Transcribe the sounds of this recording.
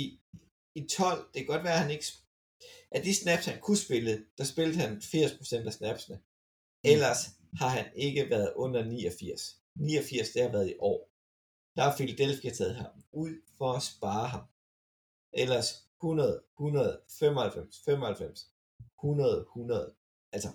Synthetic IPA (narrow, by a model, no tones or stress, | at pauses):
i | it͡sʰɒ̽l̰d̥e̝kʰæ̥ɒ̽d̥ʋæːɐhæne̝ɡ̥əs | ʔæd̥isnæb̥shænkʰusb̥e̝ləd̥ɑ̈sb̥e̝ld̥̩ˠhænfiɐ̰spʰʁo̝sen̰d̥æsnæb̥snə | elɐs | hɑ̈ɦæne̝ɡ̥əʋæɐð̞ˠɔ̽n̰ɐniːɒfiɐ̰s | nḭːɒfiɐ̰sd̥e̝hɑ̈ʋæːɐðˠiʔɒ̰ː | d̥ɑ̈ɑ̈filæd̥elfiæt͡sʰɛð̩ˠɦɑ̈muð̰ˠfɒɒsb̥ɑ̈ːɦɑ̈m | ʔelɐshunɐð̞̩ˠhunɐð̞ˠfem̰ɒhælfem̰sfem̰ɒhælfem̰s | hunɐðˠhunɐð̞̩ˠ | ʔælsɐ